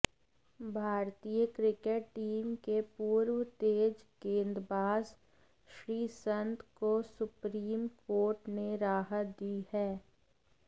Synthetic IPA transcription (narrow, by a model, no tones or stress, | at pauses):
bʱaːɾt̪ijəkɾɪkeʈʈiːmkepuːɾwt̪eːd͡ʒkẽːnd̪ɾbaːz | ʃɾiːsə̃nt̪kosʊpɾiːmkoːɾʈneɾaːɦət̪̚d̪ihɛː